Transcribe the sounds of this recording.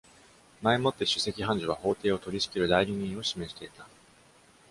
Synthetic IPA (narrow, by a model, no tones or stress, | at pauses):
maemo̞t̪ːe̞ɕɨ̥se̞kʲiɦãɲ̟d͡ʑoβaho̞ːt̪e̞ːo̞t̪o̞ɾʲiɕi̥kʲiɾɯ̟d̪aiɾʲiɲ̟ĩɰ̃o̞ɕime̞ɕi̥t̪e̞it̪a